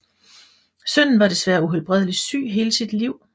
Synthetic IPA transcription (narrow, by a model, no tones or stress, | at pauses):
sœn̰n̩ʋɑ̈ɾ̥e̝sʋæːɐuɦelb̥ʁɛðˠəli̥sy̰ːɦe̝ːləsid̥liʊ̰